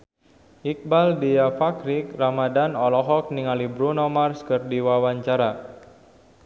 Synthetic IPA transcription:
ʔik̚baldiafakɾik̚ramadanɔlɔɦɔk̚niŋalibɾunomarskərdiwawaɲt͡ʃaɾa

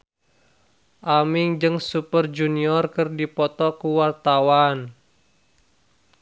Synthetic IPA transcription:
ʔamɪŋd͡ʒɨŋsupərd͡ʒuniɔrkɨrdipɔt̪ɔkuwart̪awan

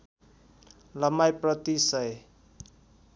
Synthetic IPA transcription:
lʌmajprʌt̪isʌj

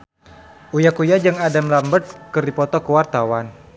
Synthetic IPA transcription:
ʔujakujad͡ʒaŋadamlambərt̪̚kərdipɔt̪ɔkəwart̪awan

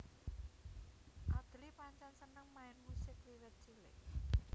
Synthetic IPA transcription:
ʔad̪̥lipaɲt͡ʃansənəŋmaɪnmusɪkwiwət̪̚ʒ̥ilɪ̰k

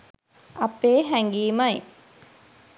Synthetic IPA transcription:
ɐpeːɦæŋɡiːmɐj

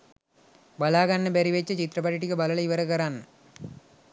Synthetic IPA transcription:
bɐlaːɣɐnːɐbeɾiʋet͡ʃːɐt͡ʃit̪ɾɐpɐʈiʈːikːɯbɐlɐlɐʋɐɾɐɣɐɾaːn

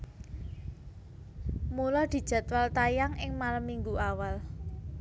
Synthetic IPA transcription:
mulɔd̪̥i̤d̥ʒ̥a̤t̪walt̪ajaŋʔɪŋmalamiŋɡuawal

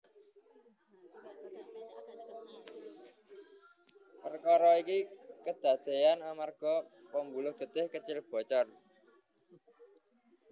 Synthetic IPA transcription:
pərkaɾɔikikəd̪̥ä̤d̪̥e̤janamarɡ̥ɔpəmbulʊhd̪̥ə̤t̪ɪhkət͡ʃɪlb̥ɔ̤t͡ʃɔr

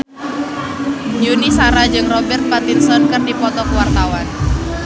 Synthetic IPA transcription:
junisaɾad͡ʒɨŋrɔbɛrt̪̚pat̪insɔnkɨrdipɔt̪ɔkuwart̪awan

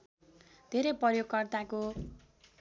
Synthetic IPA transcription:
d̪ʱeɾʌjprʌrjoɡkʌrt̪ako

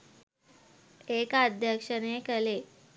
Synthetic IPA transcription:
ekad̪ʱjəkʂənekəle

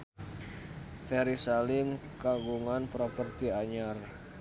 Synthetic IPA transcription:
fɛɾisalɪmkaɡuŋanpɾopərt̪iaɲar

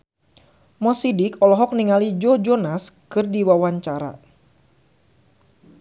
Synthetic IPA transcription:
mɔsidɪkɔlɔɦɔk̚niŋalid͡ʒɔd͡ʒɔnaskɨrdiwawaɲt͡ʃaɾa̰

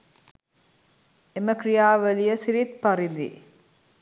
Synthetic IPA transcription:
eməkrijaːʋəlijəsiɾit̪̚paɾind̪ḭ

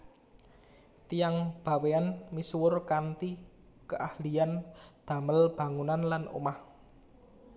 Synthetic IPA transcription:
t̪ijaŋb̥a̤weanmiswʊrkant̪i | kəʔahliand̪̥a̤məlb̥a̤ŋunanlano̰mah

